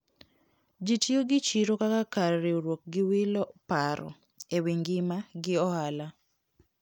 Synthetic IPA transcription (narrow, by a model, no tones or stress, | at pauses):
d͡ʒitjoɡɪt͡ʃiɾokakakaɾːeoɾwok̚ɡɪwɪlɔpaɾɔ̰ | ewiŋɡɪmaɡɪɔhala